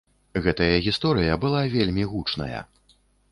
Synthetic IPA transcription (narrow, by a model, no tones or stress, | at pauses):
ɣɛt̪ɐjɐɣʲist̪ɔɾɨjɐbɨlˠavʲelʲmʲiɣut͡ʂnɐ̰jɐ̰